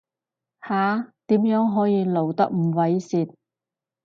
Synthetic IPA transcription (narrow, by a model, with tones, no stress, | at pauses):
haː˨˥t̪iː˨˥mjœː˨˥ŋɦɔː˨˥jiː˨˧lo˨˩wt̪ɐ̰˥k̚m̩˨˩wɐ˨˥jsiː˨t̪̚